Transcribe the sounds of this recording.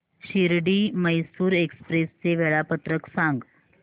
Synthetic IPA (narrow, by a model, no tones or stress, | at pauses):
ɕiɾɽiːməjsuːɾekspɾest͡seʋeɭapət̪ɾəksãŋɡ